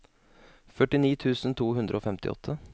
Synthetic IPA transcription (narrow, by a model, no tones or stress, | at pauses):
fœʈɪniːt̪ʰʉːsn̩t̪ʰuːɦʉnd̪ɾəoːfɛmt̪ɪ̰ʔɔ̰t̪ʰːə